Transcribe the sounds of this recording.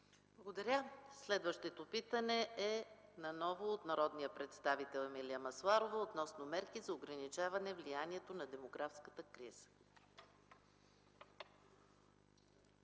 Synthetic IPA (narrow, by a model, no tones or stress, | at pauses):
b̥lˠɡod̪ɐɾʲəslɛd̪vəʃt̪ɛt̪opit̪ənɛɛ | nɐnɔvoːt̪nɐɾɔd̪nijəpɾɛt̪st̪avit̪ɛlˠɛmilʲiəmɐslˠaɾovəot̪nɔsnomɛɾkizɐoɡɾɐnit͡ʃavɐnɛvlijaniɛt̪onɐd̪ɛmoɡɾafskət̪əkɾiz̥ə̥